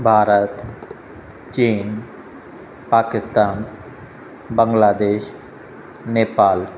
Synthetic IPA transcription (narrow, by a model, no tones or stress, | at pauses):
bʱaːɾət̪ | t͡ʃiːn | paːkɪst̪aːn | bə̃ŋɡlaːd̪eːʃ | neːpaːl